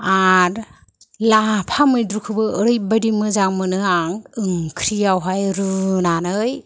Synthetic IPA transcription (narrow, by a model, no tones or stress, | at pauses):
aɾ | lapʰamɯjdɾukʰɯbɯːɾɯjbajɾimɯzaŋmɯnɯaŋɯŋkʰɾijawɦajɾɯnanɯj